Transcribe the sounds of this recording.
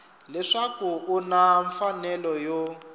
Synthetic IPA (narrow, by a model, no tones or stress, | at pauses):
lɛʂakuunaɱfanɛlɔjo